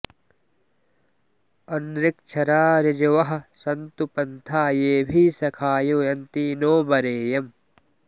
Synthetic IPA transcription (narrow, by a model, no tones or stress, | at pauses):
ɐnɾɪk̚t͡ʃʰɐɾaːɾɪd͡ʒɐʋɐɦɐ̆sɐnt̪upɐnt̪ʰaːjeːbʱiːsɐkʰaːjoːjɐnt̪iːnoːbɐɾeːjɐm